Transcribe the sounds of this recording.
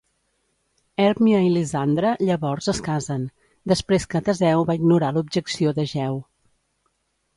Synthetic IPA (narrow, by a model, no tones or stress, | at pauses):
ɛɾmiəilizand̪ɾəʎəβɔrzəskazən | d̪əspɾeskət̪əzɛwβaiɡnuɾalub̚ʒəksioðəʒɛw